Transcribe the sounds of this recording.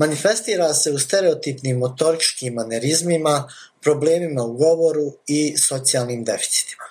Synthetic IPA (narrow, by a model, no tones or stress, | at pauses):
manife̞st̪iːɾase̞ust̪e̞ɾe̞ot̪ipniːmːo̞t̪o̞ɾit͡ʃkiːmane̞ɾizmima | pɾo̞ble̞ːmimauɡo̞ʋo̞ɾuiso̞t̪sijaːlˠniːmd̪e̞fi̥t̪si̥t̪i̥ma